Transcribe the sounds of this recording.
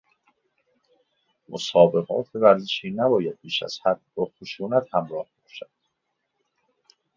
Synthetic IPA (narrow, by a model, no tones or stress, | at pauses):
mʔosɒːbe̞ɣɒ̰ːt̪ʰevæɾzeʃiːnæbɒːjæd̪̚biːʃæ̰z̥hæd̪̚bɒːxoʃuːnæt̪hæmɾɒːhbɒːʃæd̪̥